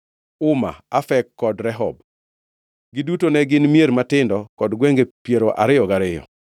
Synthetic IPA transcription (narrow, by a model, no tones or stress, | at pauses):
ʊma̰afɛkːɔdɾɛɦɔb̚ | ɡɪdutonɛɡɪnmjeɾmatɪndɔkɔdɡweŋɡepjeɾoʔa̰ɾɪjɔɡaɾɪjɔ̰